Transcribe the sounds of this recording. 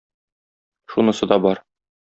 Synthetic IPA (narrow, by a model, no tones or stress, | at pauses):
ʃunɤ̆sɤ̆d̪ɒbɒɾ